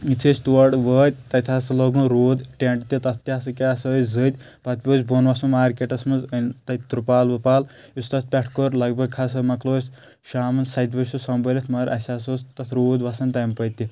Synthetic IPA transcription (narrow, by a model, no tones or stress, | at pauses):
it͡sʰet͡ʃʲt̪uʋɐɖʋəːd̪̚ʲt̪ɐt̪ʰʲaːsɨloɡũnɾoːd̪ʈeɳʈt̪it̪ɐt̪ʰt̪iaːsɨkʲeɐsɐzɨd̪ʲ | pɐt̪ʲpʲoːsʲboːnʋɐsɐnmaːɾkeʈɐsmɐnzɐnt̪ɐt̪ɾupaːlʋɨpaːl | ust̪ɐt̪̚ʰpʲɛʈʰkoɾlɐɡbɐɡkʰas̬ɐmɐkloːsʲ | ʃaːmɨnsɐt̪ʲbɐsusɐmbɐlʲɐt̪ʰmɐɾʔɐ̰sʲaːsost̪ɐt̪ʰɾoːd̪ʋɐsɐnt̪ɐjmpɐjt̪ʲːi